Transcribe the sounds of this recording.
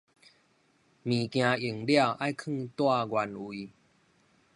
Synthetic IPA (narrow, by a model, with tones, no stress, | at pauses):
mĩ˨˩kj̃ã˧i˨˩ŋlja˥˧˨wʔa˦jkʰɨ̃˥˧t̪wa˥˧ɡwa˧nwi˧